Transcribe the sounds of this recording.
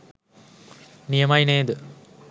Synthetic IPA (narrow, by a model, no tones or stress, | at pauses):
nijɐmɐjneːd̪ə